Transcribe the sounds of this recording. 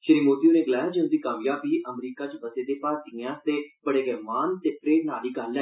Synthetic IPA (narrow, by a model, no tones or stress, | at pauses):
ʃɪɾiːmoːt̪ioːneːɡəlaːjaːd͡ʒɪñːd̪iːkaːʋjaːbiːʔəmɾiːkaːt͡ʃbəseːd̪eːpaːɾt̪iːãːt̪eːpəɽeːɡɛːʋaːnt̪eːpɾeːnaːliːkəlːɛ̃ː